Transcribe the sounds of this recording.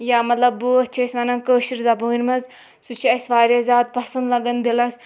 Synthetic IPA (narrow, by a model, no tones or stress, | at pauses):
jamɐt̪lɐbɨɐt͡ʃʰɐsʋɐnɐnkəːʃiɾzɐbəiɾʲmɐz | sut͡ʃʰiɐsʲʋaːɾʲɐzʲaːd̪̚pɐsɐnd̪lɐɡɐnd̪ilɐs